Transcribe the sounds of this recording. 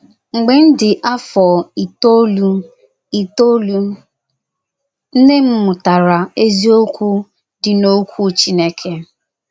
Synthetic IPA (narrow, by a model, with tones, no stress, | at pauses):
ŋ͡m̩˨ɡ͡bɪ˨n̩˦dɪ˨ʔa˦fɔ˨i˨to˦lu˦ | i˨to˦lu˦ | n̩˦ne˦m̩˦mʊ˨ta˨ɾa˨e˦zi˦o˦kʷu˦ | dɪ˨no˦kʷu˦t͡ʃi˦ne˦kʰe˦